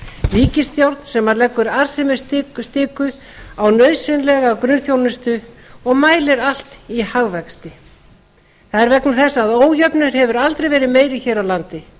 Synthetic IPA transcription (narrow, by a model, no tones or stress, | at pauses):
viːcɪsθjawɾt̪nsɛmːaɾlɛkːʏɾaɾ̥sɛmɪ̥st̪ɪst̪ɪːkʏ | awnœɥðsɪnlɛɣakɾʏnθjownɪst̪ʏɔɣmaːjlɪɾal̥t̪ihaɣvɛkst̪ɪ | θaðɛɾvɛknʏθɛsːaaðoːwjœpnʏɾ̥hɛvʏɾalt̪ɾejvɛːɾɪðmeːjɾɪçɛːɾawlant̪ɪ